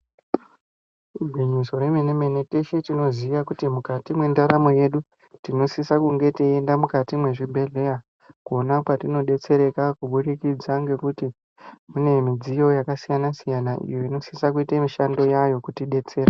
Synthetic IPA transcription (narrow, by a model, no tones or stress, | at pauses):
rubʱwiɲiso̞ɾe̞meneme̞nete̞ʃetino̞ziʋakutimukatimwe̞ndaɾamoje̞ɗu | tino̞sisakuŋɡe̞tiendamukatimwe̞ʐibʱe̞ɮe̞ja | kuonakwatino̞ɗe̞t͡se̞ɾe̞kakuɓuɗikid͡zaŋɡe̞kuti | mune̞mid͡zijo̞jakasijanasijanaʔḭjo̞ino̞sisakuitemiʃando̞jajo̞kutiɗe̞t͡se̞ːɾa